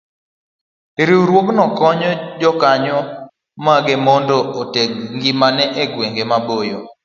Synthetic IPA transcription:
eɾiuɾwoknɔkɔɲɔd͡ʒɔkaɲɔ | maɡemɔndɔotek̚ŋɡimanɛʔeɡweŋɡemabojo̰

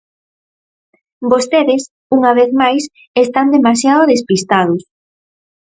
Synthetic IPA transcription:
bost̪eðes | uŋaβeθmajs | est̪and̪emasjaðʊðespist̪aðʊs

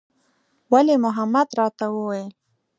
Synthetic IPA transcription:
walemʊɦamad̪ɾɑt̪awəwajel

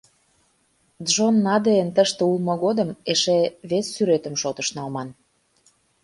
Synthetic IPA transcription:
d̪ʒonːɑd̪eənt̪əʃt̪eulmɤ̆ɣod̪əmeʃeβesːyɾet̪ə̆mʃot̪ə̆ʃnɑlmɑn

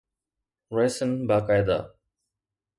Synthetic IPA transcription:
ɾeːsənbaːkaːjd̪a̰ː

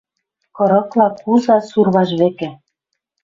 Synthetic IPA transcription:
kɤ̆ɾɤ̆klˠɑkuzɑsurβɑʃβĕkĕ

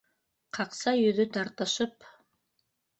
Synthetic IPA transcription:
qʰɑqsɑjɵ̆ðɵt̪ɑɾt̪ɤ̆ʃɤp

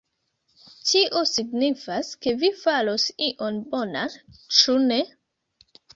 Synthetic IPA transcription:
tiʔo̞siɡnifaske̞vifalo̞siʔo̞nbo̞nant͡ʃune̞

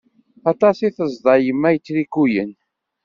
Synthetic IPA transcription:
ɑt̪ˤɑsiθəzˤd̪ˤɑjəmːæjət͡sːɾikːujən

